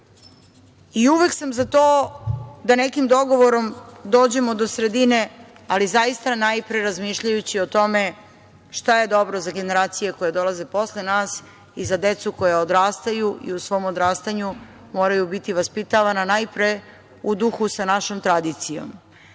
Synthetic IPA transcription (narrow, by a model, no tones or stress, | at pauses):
iuʋe̞ksamzat̪oː | d̪ane̞kimd̪o̞ɡo̞ʋo̞ɾo̞md̪o̞ːd͡ʑe̞mo̞d̪o̞sɾe̞d̪ine̞ | alizajist̪anajpɾeɾazmiːʃʎajut͡ɕiot̪o̞me̞ | ʃt̪aje̞d̪o̞bɾozaɡe̞ne̞ɾaːt̪sije̞ko̞jad̪o̞laze̞po̞slenaːs | izad̪e̞t̪suko̞jaod̪ɾaːst̪ajuʔḭusʋo̞ːmod̪ɾaːst̪aɲu | mo̞ːɾajubit̪iʋaspit̪aʋananajpɾe | ud̪uxusanaʃo̞mt̪ɾad̪it̪sijo̞̰m